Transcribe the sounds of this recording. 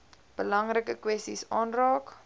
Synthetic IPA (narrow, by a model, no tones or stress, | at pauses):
b̥əlɐŋrəkəkwɛstḭsɑːnrɑːk